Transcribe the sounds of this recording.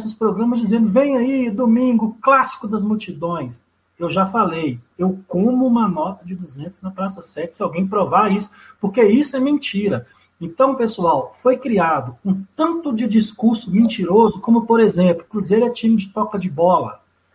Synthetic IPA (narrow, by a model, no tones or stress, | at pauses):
sʊspɾoɡɾɐ̃mɐzd͡ʒizẽnd̪ʊvẽj̃ɐid̪omĩɡʊklasi̥kʊd̪ɐzmuwt͡ʃid̪õj̃s | ewʒafalejewkõmʊũmɐnɔt̪ɐd͡ʒɪd̪uzẽnt̪ʊznɐpɾasɐsɛt͡ʃɪ̥sɪawɡẽj̃pɾovaɾisʊ̥poɾkeisʊɛmẽt͡ʃiɾɐ | ẽnt̪ɐ̃w̃pesuawfojkɾiad̪ʊũt̪ɐ̃nt̪ʊd͡ʒɪd͡ʒiskuɾsʊmẽt͡ʃiɾozʊkõmʊpoɾezẽplʊkɾuzejɾʊɛt͡ʃĩmɪd͡ʒɪt̪ɔkɐd͡ʒɪbɔlɐ̰